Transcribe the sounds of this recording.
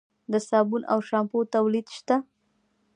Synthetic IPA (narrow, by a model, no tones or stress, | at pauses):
d̪əsɑbunʔa̰wʃɑmpot̪awlid̪ʃt̪a